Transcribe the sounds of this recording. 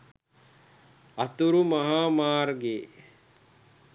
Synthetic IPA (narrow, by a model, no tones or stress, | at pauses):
ɐt̪uɾumɐɦaːmaːɾɡe